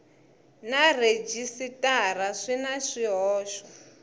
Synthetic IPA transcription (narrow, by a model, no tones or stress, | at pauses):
nared͡ʒisitʼaɾaʂinaʂiɦɔːʃɔ